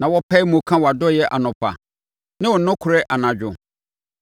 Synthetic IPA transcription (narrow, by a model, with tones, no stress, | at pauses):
nã˨wɔ˦pʰɛ˦mũ˨kʰã˦wɔ˨a˨dɔ˦jɛ˦ʔa̰˨nʊ̃˨pʰa̰˨ | nɪ̃˦wɔ˨˦nʊ̃˦kʰʊ˨ɾɛ˦ʔa˨nã˨d͡ʑᶣʊ˨